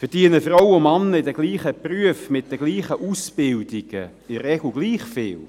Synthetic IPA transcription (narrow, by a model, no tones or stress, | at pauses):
fəɾd̥iənəfrɔwʊmanːəɪdɛɡ̥liːχəpryəfmɪt̚d̥ɛɡ̥liːχəʔusbɪldɪɡ̥ə | ɪɾɛɡ̥l̩ɡliːχfɪ̰ːl